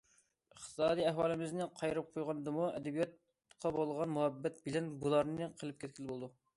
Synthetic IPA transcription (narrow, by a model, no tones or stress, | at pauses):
əχt̪ʰɨ̥sɑːd̪iɛɦwɑːlˠɪmɪznɪqʰɑjɾɨp̚qʰojʁɑnɨd̪ɨmuɛ̰d̪ɪbijɑt̪ | qʰɑbolˠʁɑnmuhɛbːɛt̪̚bɪlɛnbulˠɑɾnɨqʰəlˠɪp̚kʲʰɛt̪̚ʲkʲʰilbolˠɨd̪u